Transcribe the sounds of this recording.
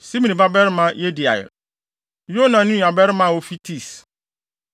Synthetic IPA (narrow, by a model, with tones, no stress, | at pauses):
si˦mĩ˨nĩ˨ba˦bɛ˦ɾmã˦je˦di˨a̰˨jɪ̰˨ | jo˦nã˨nʊ̃˦˨a˨bɛ˦ɾɪ˦mã˦˨wo˦fi˦tʰi˦˨s